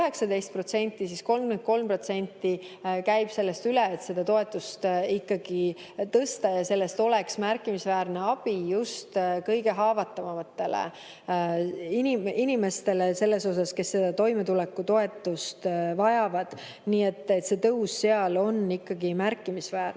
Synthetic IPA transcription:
yhe̞ksɑd̪e̞jst̪̚pro̞t̪se̞nʲt̪ːˑisisko̞lmment̪̚ko̞lmpro̞t̪se̞nʲt̪ːˑikæjb̥se̞lːe̞st̪yleet̪se̞d̪̥ɑt̪o̞e̞t̪ːˑust̪ikːɑɡ̥i | t̪ɤst̪ɑjɑse̞lːe̞st̪o̞le̞ksmærkːˑimisvæːɾne̞ɑb̥ijust̪kɤjɡe̞ɦɑːvɑt̪ːˑɑvɑmɑt̪ːe̞lḛ | iniminime̞st̪e̞lese̞lːe̞so̞s̬ɑske̞sːe̞d̪ɑt̪o̞jme̞t̪ulekːut̪o̞e̞t̪ːˑust̪vɑjɑvɑd̪̥ | niːe̞t̪ˑːe̞t̪se̞t̪ɤwsse̞ɑlo̞nikːɑɡimærkːˑimisvæːr

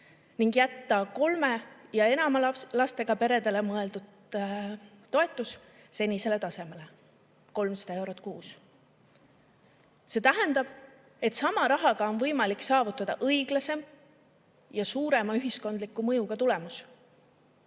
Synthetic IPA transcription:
niŋɡjæt̪ːɑko̞lme̞jɑe̞nɑmɑlɑst̪e̞ɡ̥ɑpe̞ɾe̞d̪e̞le̞mɤe̞ld̪ud̪̥ | t̪ːo̞e̞t̪ːˑus | se̞nʲise̞le̞t̪ɑse̞me̞le̞ | ko̞lmsɑ̥d̪ɑe̞wɾot̪ːˑkuːs | se̞t̪æɦend̪̥ɑb̥ | e̞t̪ˑsɑmɑɾɑɦɑɡ̥ɑo̞nvɤ̞jmɑliksɑːvut̪ːˑɑd̪̥ɑʔɤjɡ̥lɑse̞m | jɑsuːɾe̞mɑyɦisko̞nd̪likːˑumɤ̞juɡ̥ɑt̪ule̞mus

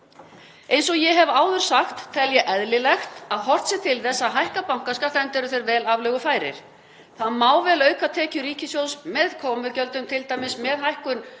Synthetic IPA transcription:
ejns̬ɔɣjɛɦɛvaːwðʏɾ̥saxt̪ʰːɛljɛʔɛðlɪlɛxt̪aðɦɔr̥t̪sɪt̪ʰɪlθɛsːaɦajhkapawŋ̥kaskat̪ɛnt̪ɛɾʏθeɾvɛːlavlœːɣʏfaːjɾɪ̰ɾ̥ | θaðmaːwvɛlœːɥkat̪ʰɛːcʏɾiːcɪsjowsmɛðkʰɔːmʏcœlt̪ʏmt̪ʰɪlt̪ajmɪsmɛðɦajhkʏn

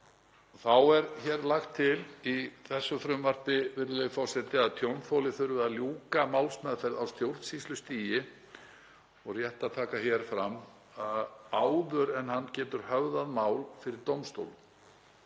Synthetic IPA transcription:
θawɛɾçɛɾlaxt̪ʰːɪliθɛsːʏfɾʏmvaɾ̥pɪvɪɾðʏɪfɔwsɛt̪ɪaðt̪ʰjownfowlɪθʏɾvɪðaljuːkamawlsmɛðfɛɾðawst̪jowɾ̥t̪sist̪lʏst̪iːjɪ | ɔɣrjɛht̪aðt̪ʰaːkaçjɛɾ̥fɾamː | aðaːwðʏɾɛnhanːcɛːt̪ʏɾ̥hœvðaðmaːwlfɪɾɪɾt̪owmst̪o̰wl

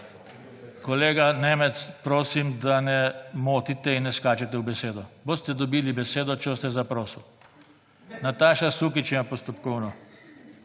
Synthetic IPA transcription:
kɔleːɡaneːmɛt̪spɾoːsimd̪anɛmoːt̪it̪ɛinːɛskaːt͡ʃɛt̪ɛwbɛseːd̪ɔboːst̪ɛd̪ɔbiːlibɛseːd̪ɔt͡ʃost̪ɛzapɾoːsw | nat̪aːʃasukit͡ʃimapɔst̪ɔpkɔwnɔ

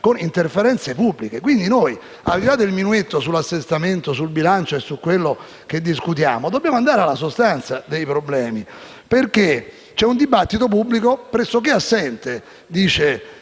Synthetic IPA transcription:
konint̪erfeɾɛnt̪sepubːlikekwind̪inoj | a̰lilaːd̪eilminuet̪ːosulːasːest̪ament̪osulbilant͡ʃoesːukːwelːo | k̟ed̪ːiskut̪̬jaːmod̪objaːmoand̪aːɾealːasost̪ant̪sad̪ejpɾoblɛːmi | perk̟e | t͡ʃɛund̪ibat̪ːit̪̬op̬ubːlikopɾɛsːok̟easːɛnt̪e | d̪iːt͡ʃe

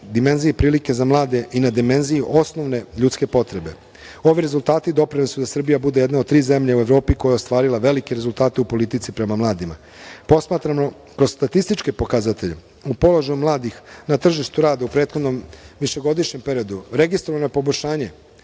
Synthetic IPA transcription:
d̪ime̞nzijepɾiːlike̞zamlˠaːd̪e̞ʔinad̪ime̞nzijuʔo̞sno̞ʋne̞ʎuːt̪ske̞po̞t̪ɾe̞be̞ | o̞ʋiɾe̞zulˠt̪aːt̪id̪o̞pɾinisud̪asr̩bijabud̪e̞jed̪nao̞d̪t̪ɾiːze̞mʎaueʋɾo̞ːpiko̞jaost̪ʋaːɾilˠaʋe̞likeɾezulˠt̪aːt̪eupo̞lit̪it̪sipɾe̞mamlˠaːd̪ima̰ | po̞smaːt̪ɾamo | kɾozst̪at̪ist̪it͡ʃke̞po̞kazat̪eʎe | upo̞loʒajumlˠaːd̪ixnat̪r̩ʒiʃt̪uɾaːd̪aupɾeːt̪xod̪no̞mʋiʃe̞ɡo̞d̪iʃɲe̞mpe̞ɾijo̞d̪uɾe̞ɡist̪ɾoʋanopo̞boʎʲʃaːɲe̞

